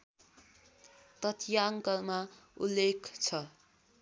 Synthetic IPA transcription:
t̪ʌt̪ʰjaŋkʌlmaulːekʰt͡sʰʌ

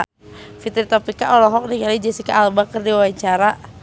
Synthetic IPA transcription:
fit̪ɾt̪ɔpikaʔɔlɔɦɔk̚niŋalid͡ʒɛsikaʔːlbakərdiwawaɲt͡ʃaɾa

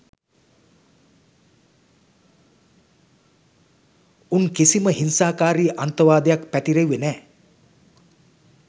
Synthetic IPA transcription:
unkisiməɦinsaːkaːɾiːʔant̪əʋaːd̪ejakpæt̪iɾeʋːenɛː

